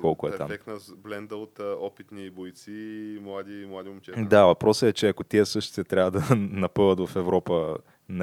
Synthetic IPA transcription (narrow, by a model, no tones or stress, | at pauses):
kɔlˠkʊɛt̪a̰mɛknɐzblɛnd̪əot̪ɔpit̪nibojt̪simlˠad̪imlˠad̪imot͡ʃɛd̪avɐpɾɔsəɛt͡ʃɛɐkot̪iɛsɤʃt̪t̪ɛt̪ɾʲavəd̪ɐnɐpɤvət̪vɐfɛvɾɔpə | n